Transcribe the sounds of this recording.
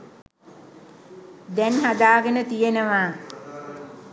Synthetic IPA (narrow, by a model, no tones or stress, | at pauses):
d̪ɛnɦad̪aːɡenət̪ijenəʋaː